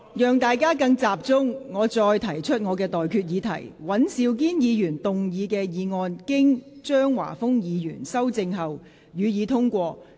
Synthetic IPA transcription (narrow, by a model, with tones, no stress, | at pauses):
jœː˨ŋt̪aː˨jkaː˥kɐ˧ŋt͡saː˨p̚t͡sʊ˥ŋŋɔː˨˧t͡ʃɔː˧jt̪ʰɐ˨˩jt͡ʃʰɵ˥t̚ŋɔː˨˧k̬ɛː˧t̪ɔː˨jkʰyː˧t̚jiː˨˧t̪ʰɐ̰˨˩jwɐ˨˥nsiː˧wk̬iː˥njiː˨˧jyː˨˩nt̪ʊ˨ŋjiː˨˧kɛː˧jiː˨˧ŋɔː˧nkɪ˥ŋt͡ʃœː˥ŋwa̰ː˨˩fʊ˥ŋjiː˨˧jyː˨˩nsɐ˥wt͡sɪ˧ŋɦɐ˨w | jyː˨˧jiː˨˧t̪ʰʊ˥ŋkʷɔː˧